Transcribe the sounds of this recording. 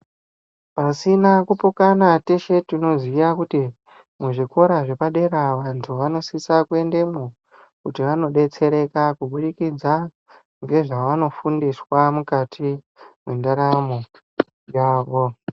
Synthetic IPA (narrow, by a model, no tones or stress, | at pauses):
pasinakupokanateʃe̞tino̞zwijakuti | muʐiko̞ɾaʐe̞paɗe̞ɾaʋantʰuʋano̞sisakue̞nde̞mu | kutiʋano̞ɗe̞t͡se̞ɾe̞kakuɓuɗikid͡za | ŋɡe̞ʐaʋano̞fundiswamukatʰi | mwendaɾamo | jaːʋo̞